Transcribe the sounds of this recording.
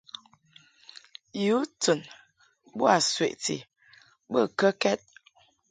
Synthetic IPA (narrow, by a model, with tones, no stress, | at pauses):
ju˨˦tu˨n | bu˦a˨swe˨ʔtḭ˨ | bə˦˨kə˦kɛ˦t̚